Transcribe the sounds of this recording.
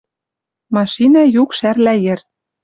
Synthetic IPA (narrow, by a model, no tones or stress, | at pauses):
mɑʃinɑjukʃærlæjɘ̆r